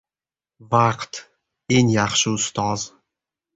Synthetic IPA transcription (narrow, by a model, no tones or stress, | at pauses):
vaqt̪ | eŋjaχʃɪʊst̪ɒz̥